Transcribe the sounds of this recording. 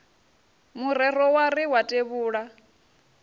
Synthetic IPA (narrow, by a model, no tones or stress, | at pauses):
muɾɛɾ̤ɔwaɾiwatʼeβuːɺa